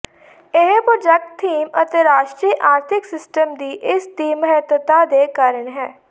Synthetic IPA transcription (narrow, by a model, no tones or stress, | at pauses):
ɪɦpɾoːd͡ʒɛk̚ʈt̪ʰːiːmə̰t̪eːɾaːʃʈɾiːʔaːɾt̪ʰɪksɪsʈəmd̪iːʔɪsd̪iːməɦɛt̪ət̪aːd̪eːkaːɾəɳɦɛː